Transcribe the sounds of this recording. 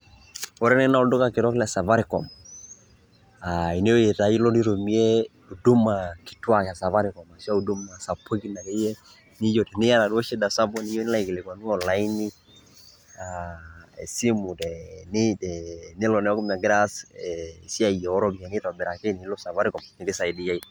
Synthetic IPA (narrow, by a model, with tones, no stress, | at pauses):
ɔ˦ɾɛ˦nɛ˦na˦ɔ˦dʊ˦ka˨kɪ˨ɾɔ˦klɛ˨sa˨va˦ɾɪ˨kɔ̰˨m | a˨i˨ne˦o˦je˨ta˨˦i˦lɔ˦ni˦ɾo˨mi˦e˦ | u˨du˦ma˨kɪ̥˨twa˨ka˨sa˨va˦ɾɪ˨kɔ˨ma˨sa˦u˨du˦mna˨sa˨pːo˦ki˦na˨ke˦jɛ˦ | nɪ˦jo˨tɛ˨nɪ˦ja˦na˨dɔ˦ʃɛ˦da˨sa˦bɔ˦ni˦jo˦nla˦i˨kɪ˨lɛ˨kwa˨nu˦ɔ˨la˨˦i˦ni˦ | aɛ̰˨si˦mu˨tɛnɪ˦tɛnɪ˦lɔ˨nɛ˨ɔ˦kʊ˦ma˨ɡɾa˦sɛ˨si˦a˨i˨jɛ˨ɔ˦ɾɔ˦bi˨a˨nɪ˦tɔ˨bɪ˨ɾa˨kɪ˦ni˨˦lɔ˦sa˨va˦ɾɪ˦kɔ˨mnɪ˨dɪ˦sa˨i˨di˨ja˦i˦